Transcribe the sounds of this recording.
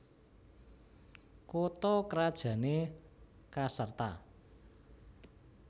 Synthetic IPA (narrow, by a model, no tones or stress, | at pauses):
kot̪ɔkəɾad̥ʒ̥ä̤ne | kasərt̪a̰